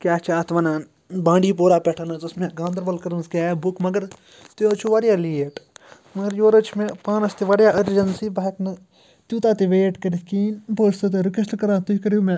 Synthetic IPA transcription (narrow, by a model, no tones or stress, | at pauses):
kjaːt͡ʃʰaːt̪ʋɐnaːn | bãːɳɖiːpoːɾaːpɛʈʰanɐzɐsmẽɡãːnd̪ɐɾbɐlkɐɾɐnzkʲjaːbukmɐɡəɾ | t̪uoːt͡ʃʰuʋaɾjaːliːeʈ | mɐɡəɾjoːɾɐt͡ʃʰmẽpãːnɐst̪iʋɐɾjaːʔɐɾd͡ʒɐnsibɐɐknɐ | t̪uːt̪aːt̪iʋeːʈkɐɾikiːnpoːst̪ɐt̪eɾukɐsʈkɐɾãːt̪uɦikɐɾuːmẽ